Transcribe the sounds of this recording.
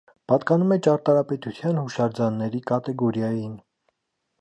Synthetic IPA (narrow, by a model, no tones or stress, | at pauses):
pɑt̪kɑnumɛt͡ʃɑɾt̪ɑɾɑpɛt̪ut̪ʰjɑnhuʃɑɾd͡zɑnːɛɾikɑt̪ɛɡɔɾjɑjin